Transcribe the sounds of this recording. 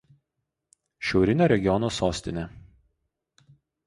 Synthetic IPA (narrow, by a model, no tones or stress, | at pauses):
ʃʲɛʊɾʲɪnʲoːɾʲɛɡʲɪjɔnoːsoːsʲt̪ʲɪnʲeˑ